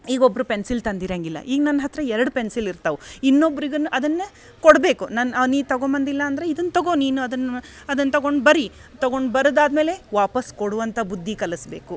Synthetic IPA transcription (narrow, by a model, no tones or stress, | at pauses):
iːɡobːɐɾupensilt̪ɐnd̪iɾɐŋɡilːɐ̰ʔiːɡɐnɐnːɐɦɐt̪ɾɐɛɾɐɽupensiliɾt̪ɐʋuinːobːɐɾiɡɐnuʔɐd̪ɐnːɐ | koɽbe̞ːkunɐnɐniːt̪ɐɡombɐnd̪ilːɐːnd̪ɐɾeid̪ɐnːɐt̪ɐɡoniːnuɐd̪ɐnː | ɐd̪ɐnːɐt̪ɐɡo̞ɳɖbɐɾi | t̪ɐɡo̞ɳɖbɐɾɐd̪aːd̪me̞ːle̞ʋaːpɐskoɽuʋɐnt̪ʰɐbud̪ʱːikɐlɐsbe̞ːku